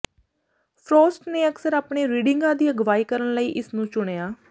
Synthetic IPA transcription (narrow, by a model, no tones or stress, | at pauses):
pʰɾoːsʈneːəksəɾaːpɳeːɾiːɖɪŋɡãːd̪iːəɡʋaːiːkəɾəɳləiːʔɪsnũːt͡ʃʊɽ̃eːaː